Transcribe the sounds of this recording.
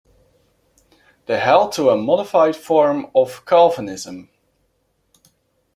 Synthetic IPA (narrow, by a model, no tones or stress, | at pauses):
ðəɦɛl̚ˠtʰəəmɔɾɪfaɪd̥fɔɹmʌv̥kʰalˠvənɪzə̃m